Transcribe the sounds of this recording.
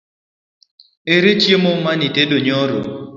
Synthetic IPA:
eɾet͡ʃjemomanitedoɲɔɾo̰

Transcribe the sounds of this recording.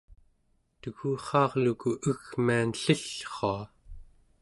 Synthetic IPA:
t̪əɣuːχɑːʁlukuʔəɣmianɬiɬχoa

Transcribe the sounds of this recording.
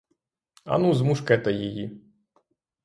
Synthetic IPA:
ɐ̰nuzmuʂkɛt̪ɐjeji

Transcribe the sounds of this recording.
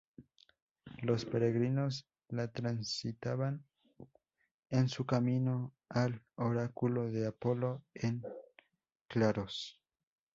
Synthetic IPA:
lo̞spe̞ɾe̞ɣɾino̞s | lat̪ɾansit̪aβan | ensukamino | aloɾakulo̞ðe̞apo̞lo̞eŋ | klaɾos

